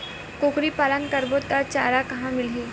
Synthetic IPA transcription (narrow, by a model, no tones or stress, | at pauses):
koːkɾipaːlənkɐɾbot̪ɐɾt͡ʃaːɾakɐɦãmɪlɦiː